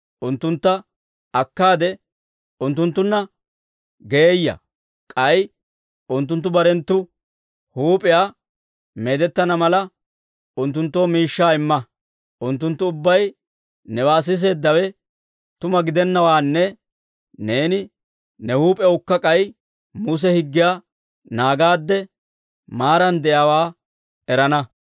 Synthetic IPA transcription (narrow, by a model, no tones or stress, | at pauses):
ʔʊnt̪ːʊnt̪ːɐ | ɐkːaːd̪ɛ | ʊnt̪ːʊnt̪ːʊnːɐ | ɡeejːɐ̰ | kʼɐj | ʊnt̪ːʊnt̪̬ːʊbɐɾɛnt̪ːʊ | huːpʼɪjaː | me̞ːd̪ɛt̪ːɐnɐmɐlɐ | ʊnt̪ːʊnt̪ːoːmiːʃːaːɪmːɐ | ʔʊnt̪ːʊnt̪ːʊʊbːɐj | nɛwaːs̬ɪs̬e̞ːd̪ːɐwɛ | t̪ʊmɐɡɪd̪ɛnːɐwaːnːɛ | ne̞ːnɪ | nɛhuːpʼɛʊkːɐkʼɐj | mus̬ɛhɪɡːɪjaː | naːɡaːd̪ːɛ | maːɾɐnd̪ɛjaːwaː | ɛɾɐnɐ